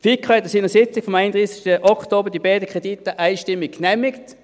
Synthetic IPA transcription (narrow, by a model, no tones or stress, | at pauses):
fikʰːɑɛt̪ːəsiːnəsɪt͡sɪkfɔmaɪnd̪ʁiːsɪ̥ʃtəʔɔkʰtoːbəd̥ibaɪdəkʰʁ̥editəʔaɪʃtɪmːɪkkːnɛmɪkt